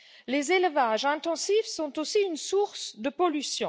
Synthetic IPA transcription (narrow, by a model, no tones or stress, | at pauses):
lezelvaʒɛ̃t̪ɑ̃sifsɔ̃t̪osiynsuʁsd̪əpɔlysjɔ̃